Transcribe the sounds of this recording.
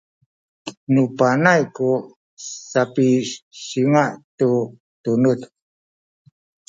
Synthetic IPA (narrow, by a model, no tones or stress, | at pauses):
nupanajku | sapisiŋaʔtu | t̪unut